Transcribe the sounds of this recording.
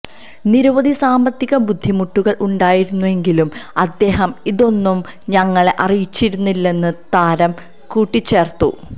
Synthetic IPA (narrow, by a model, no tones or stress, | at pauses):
niɾɐʋɐðʱisaːmbɐt̪ːiɣɐbud̪ʱːimuʈːuɣɐɭʔuɳɖaːjiɾunːue̞ŋɡilumɐd̪ːe̞ːɦɐmiðo̞nːum | ɲɐŋːɐɭeʔɐrijit͡ɕːiɾunːilːe̞nːɨt̪aːɾɐm | kuːʈːit͡ɕːe̞ːrt̪ṵ